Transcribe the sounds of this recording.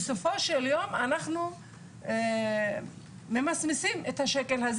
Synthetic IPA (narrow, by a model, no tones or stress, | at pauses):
so̞fo̞ʃeljo̞manaχnu | me̞masnisimet̪haʃekelhaz